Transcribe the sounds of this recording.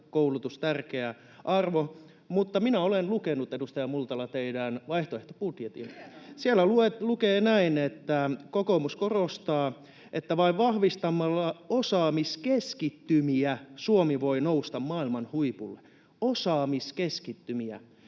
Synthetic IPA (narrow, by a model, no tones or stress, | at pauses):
koulut̪ust̪ærkeæ | ʔɑrʋo | mut̪ːɑminæolenlukenut̪edust̪ɑjɑmult̪ɑlɑt̪eidænʋɑiht̪oeht̪oput̪jet̪ḭnsielːˑæluet̪lukeːnæinet̪ːækokomuskorost̪ɑː | ʔet̪ːæʋɑiʋʋɑhʋist̪ɑmːɑlːɑosɑːmiskeskit̪ːymiæsuomiʋoinoust̪ɑmmɑːilmɑnhuipulːe | osɑːmiskeskit̪ːymiæ̰